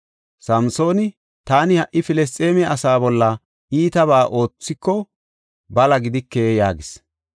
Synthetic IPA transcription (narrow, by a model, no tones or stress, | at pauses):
sɐmso̞ːnɪ | t̪aːnɪhɐʔɪfɪlɛs̬t̪ʼːe̞ːmɛɐsaːbɔlːɐ | iːt̪ɐβaːʔo̞ːt͡sːɪkːɔ | bɐlɐɡɪd̪ɪkːeːjaːɡɪs